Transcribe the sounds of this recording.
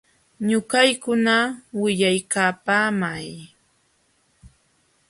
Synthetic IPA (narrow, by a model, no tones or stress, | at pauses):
ɲʊkajkʊnawɪʎajkaːpaːmaj